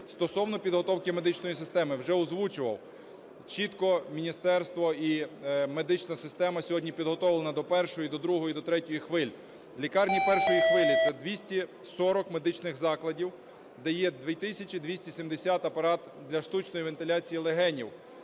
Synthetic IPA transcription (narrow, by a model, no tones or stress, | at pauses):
st̪ɔsɔwnɔpʲid̪ɦɔt̪ɔwkɪmed̪ɪt͡ʃnɔjisɪst̪ɛmɪwʒɛʊzʋut͡ʃʊʋɐw | t͡ʃit̪kɔmʲinʲist̪ɛrst̪ʋɔimed̪ɪt͡ʃnɐsɪst̪ɛmɐsʲɔɦɔdʲnʲipʲid̪ɦɔt̪ɔʋɪlˠnɐd̪ɔpɛrʃɔjid̪ɔd̪ɾuɦɔjid̪ɔt̪ɾɛtʲɔjixʋɪlʲ | lʲikɑrnʲipɛrʃɔjixʋɪlʲit̪sɛd̪ʋʲisʲtʲi | sɔɾɔkme̞d̪ɪt͡ʃnɪxzɑklˠɐdʲiw | d̪ɛjɛd̪ʋʲit̪ɪsʲɐt͡ʃid̪ʋʲisʲtʲisʲimd̪esʲat̪ɐpɐɾɑt̪ | d̪lʲɐʃt̪ut͡ʃnɔjiʋent̪ɪlʲat͡sʲijilˠeɦɛnʲiw